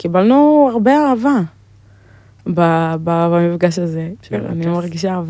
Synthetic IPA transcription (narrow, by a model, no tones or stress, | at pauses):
kibalnuaʁbeaʁava | bababamifɡaʃazea̰niomeʁeɡiʃ̬eaʁava